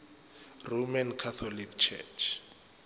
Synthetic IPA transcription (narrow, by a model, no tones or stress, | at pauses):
romankʰat̪ʰɔlikʰt͡ʃʰɛ̰t͡ʃʰ